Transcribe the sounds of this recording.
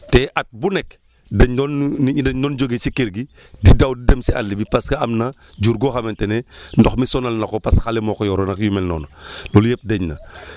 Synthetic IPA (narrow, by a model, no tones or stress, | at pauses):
tɛʔat̚bunɛk | dɐɲdɔnːiidɛɲdɔːnd͡ʒoɡet͡ʃikeɾɡi | didawdidɛmsia̰lːibipaskaamnɐ | d͡ʒuɾɡɔxamɛntɛnɛndɔxmisɔnalnɐkɔpasxalɛmɔkɔjɔɾɔnakjumɛlnɔ̰ːnalolujɛp̚dɛɲnɐ̰